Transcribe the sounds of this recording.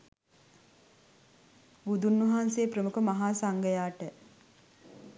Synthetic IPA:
bud̪unːuɦaːnsejprəmukəmaɦaːsaŋɡəjaːʈə

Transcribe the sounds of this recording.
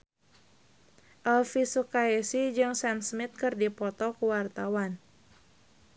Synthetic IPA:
ʔɛlfisukaɛsid͡ʒɨŋsɛmsmit̪̚kɨrdipɔt̪ɔkuwart̪awan

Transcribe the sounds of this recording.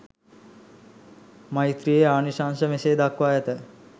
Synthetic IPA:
mait̪ɾijeaːniʃaːnsəmeseːd̪akʋaːjət̪ə

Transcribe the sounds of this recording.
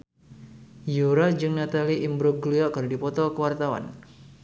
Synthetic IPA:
juɾad͡ʒɨŋnat̪aliʔimbɾʊɡliakərdipɔt̪ɔkəwart̪awa̰n

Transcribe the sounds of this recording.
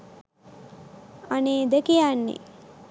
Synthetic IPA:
aneːd̪əkijanːḛ

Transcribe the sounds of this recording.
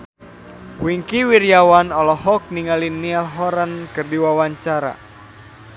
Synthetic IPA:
wiŋkiwirjawanɔlɔhɔk̚niŋalinːialɦɔɾankɨrdiwawaɲt͡ʃaɾa̰

